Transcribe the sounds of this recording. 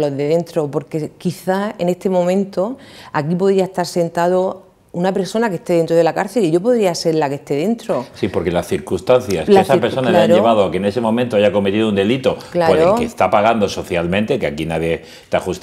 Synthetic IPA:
lo̞ðeðe̞nt̪ɾopo̞ɾke̞kiθaenest̪e̞mõ̞mẽnt̪oakipo̞ðɾiaest̪aɾse̞nt̪aðo | unape̞ɾso̞nake̞st̪ee̞nt̪ɾo̞ð̞e̞lakaɾθe̞liʝo̞po̞ðɾiase̞ɾlake̞st̪e̞ðe̞nt̪ɾosipo̞ɾke̞lasθiɾkust̪anθjasesapeɾsso̞naleaɲeβaðoakene̞se̞momẽnt̪oaʝako̞me̞t̪iðound̪e̞lit̪o̞klaoɾeolkest̪apaɣand̪o̞so̞θjalmẽnt̪e̞keakinaðje | t̪axust̪

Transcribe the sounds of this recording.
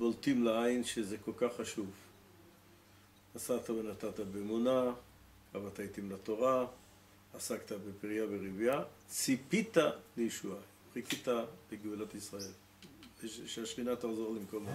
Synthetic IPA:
boltimleainʃezeko̞lkaχːaʃuv | asat̪avenat̪at̪abeːmuna | avat̪ait̪imlat̪o̞ʁaː | sakt̪abepiʁjaveʁivja | t͡sipitalejeʃua | pʁikitabeɡiulat̪isʁae̞l | ʃeaʃχinat̪aχzo̞ʁlimko̞ma

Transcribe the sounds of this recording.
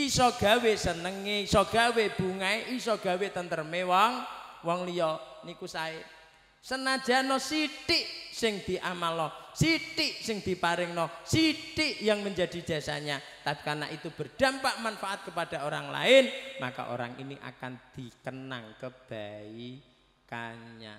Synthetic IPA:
isɔɡ̥a̤wesənəŋeisɔɡ̥a̤web̥uŋaeʔisɔɡ̥a̤wet̪ənt̪ərmewɔŋwɔŋlijɔnikusaɪ | sənḁd͡ʒ̥a̤nɔsiʈɪʔsɪŋd̪̥i̤ʔamalɔsiʈɪʔsɪŋd̪̥i̤paɾɪŋnɔsiʈɪʔjaŋməɲd͡ʒa̤d̥i̤̥d͡ʒ̥a̤sa̰ɲa | t̪api̥karna̰ʔit̪ub̥ə̤rɖ̥a̤mpaʔmanfaʔat̪̚kəpad̥a̤oɾaŋla̰ɪnma̰ka̰ʔo̰ɾa̰ŋʔḭniʔa̰kand̪̥i̤kəna̰ŋkəb̥ai | kaɲa̰

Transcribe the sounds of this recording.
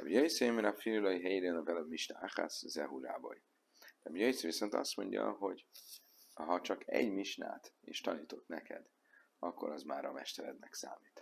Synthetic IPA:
ɛbijojisemenɒfillojiɦɛjid̪enɒvɛlømiʃnaaxa̰szɛɦulaːbo̰j | d̪ɛbijojisviso̞nt̪ɒ̰st̪mo̞̰ɲɟɒ̰ɦo̞ɟ | ɦɒt͡ʃɒkʰɛɟmiʃna̰ːt̪ḛːʃt̪ɒniːt̪o̞t̪nɛkɛ̰d̪ | ɒkːo̞ɾɒzmaːɾɒmɛʃt̪ɛɾɛd̪nɛksaːmiːt̪

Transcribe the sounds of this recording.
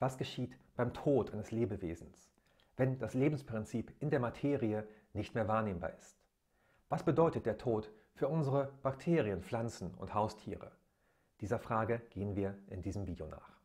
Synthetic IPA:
v̥asɡ̥əʃiːtb̥aɪmtʰoːtʔaɪnəsleːbəvḛːzn̩s | vɛnd̥asleːbm̩spʁ̥ɪnt͡siːpʔɪndeːɐmatʰeːʁiə | nɪçtmeːɐvaːɐneːmba̰ːɐʔɪst | v̥asb̥ədɔʏtət̚d̥eːɐtʰoːt | fyːɐʊnzəʁəb̥aktʰeːʁiənflant͡sn̩ʊ̰nthaʊstʰḭːʁə̰ | d̥iːzɐfʁ̥aːɡəɡ̥eːənviːɐʔɪndiːzəmviːdjo̰na̰ːχ

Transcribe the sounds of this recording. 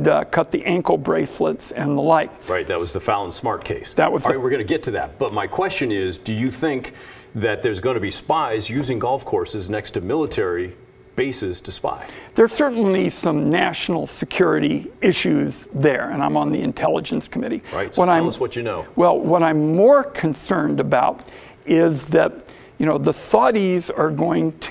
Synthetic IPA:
kʰʌt̪̚ðiʔæ̃ŋkl̩ˠbɹeɪslɪtsɪ̃nðəlaɪt̚ɹaɪt̪̚ðɨt̚wʌzðɨfalˠə̃nsmɑɹt̚kʰeɪsðɨʔ̚wʌzwɨɹɡʌ̃nɨɡɛtʰɨðæ̰t̚b̥ʌt̚maɪkʰw̥ɛst͡ʃɨ̃nɪzdɨjɨθɪ̃ŋk | ðɨt̪̚ðə˞zɡõnɨbispaɪzjʉzɪ̃ŋɡɔlˠfkʰɔɹsɨznɛkstʰɨmɪlˠətʰɛɹi | b̥eɪsɨz̥tʰɨspa̰ɪðə˞sɜ˞ʔn̩lisʌ̃mnæʃn̩l̩ˠsɨkʰj̥ʊɹɨɾiɪʃʉzðə˞ɨ̃ñãɪ̃mə̃nðḭɨ̃ntʰɛlˠə̰d͡ʒɨ̃nskʰəmɪɾiɹa̰ɪtswʌɾãɪ̃swʌt͡ʃɨnoʊwɛlˠwʌɾãɪ̃mːɔɹkʰɨ̃nsɜ̃˞ndɨbaʊɾ | ɪzðɨt̚ | jɨñoʊðəsɔɾizə˞ɡoʊɪ̃ŋtʰ

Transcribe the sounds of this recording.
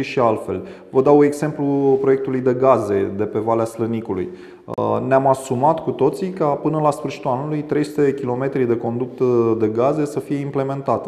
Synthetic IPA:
ʃialfe̞̰l | vəd̪aue̞ɡz̥e̞mplupɾo̞je̞k̚t̪ulujd̪e̞ɡaze̞d̪e̞pe̞valeaslənikulṵj | neamasumat̪kut̪o̞t̪sikapɨnəlasfɨrʃit̪ulanulujt̪ɾe̞jsut̪e̞d̪ekʲilo̞me̞t̪ɾid̪e̞ko̞nd̪up̚t̪əd̪e̞ɡaze̞səfije̞imple̞me̞nt̪at̪

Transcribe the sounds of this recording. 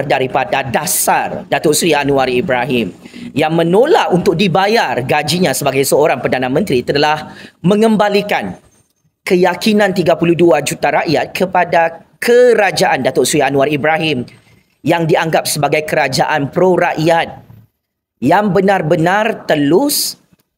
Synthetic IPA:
rdaɾipadadasardat̪ʊrsɾianũaribɾaɦim | jaŋmə̃nolaʔunt̪ʊk̚dibajarɡad͡ʒiɲãsəbaɡajsəoɾaŋpərdanãmə̃nt̪ɾit̪əlahmə̃ŋə̃mbalikan | kəjakinãnt̪iɡapuluduad͡ʒut̪aɾaʔjat̪̚kʰəpada | kʰəɾad͡ʒaʔandat̪ʊʔsɾianũaribɾaɦim | jaŋdiaŋɡap̚səbaɡajkəɾad͡ʒaʔanpɾoɾaʔjat̪̚ | jaŋbənãrbənãrt̪əlʊs

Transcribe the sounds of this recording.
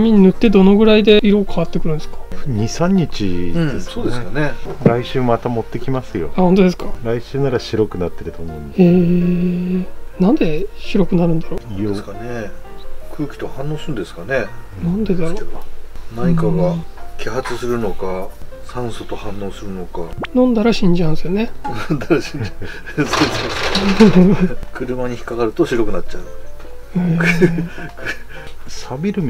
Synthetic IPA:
mʲiɲ̟inɯ̟t̪ːe̞d̪o̞no̞ɡɯ̟ɾaid̪e̞iɾo̞ːkaβat̪ːe̞kɯ̟ɾɯ̟̃nd̪esɨ̥kḁɲisãɲ̟ːit͡ɕĩessoːd̪esɨjoneɾaiɕɨːmat̪amo̞t̪ːe̞kʲimasɨjo̞̰ahõ̞nt̪o̞d̪e̞s̬ɨ̥kaɾaiɕɨːnaɾaɕiɾo̞kɯ̟nat̪ːe̞ɾɯ̟t̪omõneː | nãnd̪e̞ɕiɾo̞kɯ̟naɾɯ̟̃nd̪aɾoːone | kʰɯ̟ːkʲi̥t̪o̞hãnːo̞ːsɨ̃nd̪e̞sɨ̥kane | nãnd̪e̞d̪aɾonaɲikaɡakʲiɦat͡sɨsɨɾɯ̟no̞kasãɰ̃sot̪o̞hãnːo̞ːsɨɾɯ̟no̞kanõ̞nd̪aɾaɕĩɲ̟d͡ʑãsɨjonẽnd̪aɾaɕĩɲd͡ʑ | soe | kɯ̟ɾɯ̟maɲ̟içi̥kaɡaɾɯ̟t̪o̞ɕiɾo̞kɯ̟nat͡ɕt͡ɕaɯ̟ | e | k | sabʲiɾɯ̟m

